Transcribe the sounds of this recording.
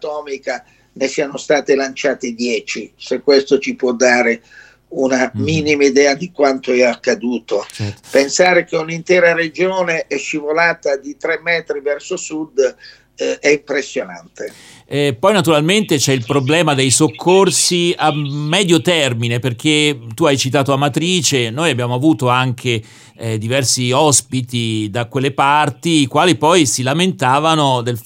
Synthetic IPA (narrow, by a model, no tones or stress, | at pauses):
t̪ɔːmika | nesiːanost̪aːt̪elant͡ʃaːt̪ed̪jɛːt͡ʃisekːwest̪ot͡ʃipwɔd̪ːaːɾe | unamiːnimaid̪ɛːad̪ikwant̪oɛakːad̪uːt̪opensaːɾek̟eunint̪ɛːɾared͡ʒoːneʔɛʃːivolaːt̪ad̪it̪ɾɛmːɛːt̪ɾivɛrsosud̪ | ɛimpɾesːjonant̪e | ɛpɔjnat̪uɾalment̪et͡ʃɛilpɾoblɛːmad̪ejsokʰːorsiamːɛːd̪jot̪ɛrmineperk̟et̪uajt͡ʃit̪̬aːt̪oamat̪ɾiːt͡ʃenoːjabːjaːmoavuːt̪oaŋk̟ʰe | d̪ivɛrsiɔspit̪id̪akwelːepart̪iːkwaːlipɔjsilament̪aːvanod̪el